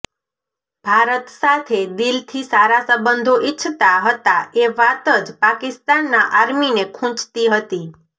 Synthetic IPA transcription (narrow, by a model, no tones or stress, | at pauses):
b̥ʱaɾət̪sat̪ʰed̪ilt̪ʰisaɾasəbənd̪ʱoʔɪt͡ʃʰt̪aɦət̪aeʋat̪əd͡ʒpakɪst̪anːaʔaɾminekʰʊ̃t͡ʃt̪iɦət̪i